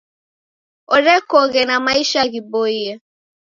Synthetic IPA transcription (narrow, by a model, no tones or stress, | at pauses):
oɾɛkoɣenamaiʃaɣiboije